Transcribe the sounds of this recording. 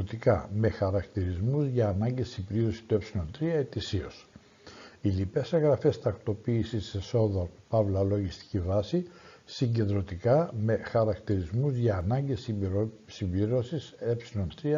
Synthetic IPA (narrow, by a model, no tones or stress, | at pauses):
ot̪ikɐme̞xɐɾɐkt̪iɾizmuzʝɐːnɐɲɟe̞simbliɾo̞si̥t̪ue̞psilo̞nt̪ɾiɐet̪isio̞s | ilipe̞se̞ŋɣɾɐfe̞st̪ɐkt̪o̞piːsieso̞ðɐupɐvlɐlo̞ʝist̪i̥civɐsisiɲɟend̪ɾo̞t̪ikɐme̞xɐɾɐkt̪iɾizmuzʝɐːnɐɲɟe̞s | simbliɾo̞sise̞psilo̞nt̪ɾiɐ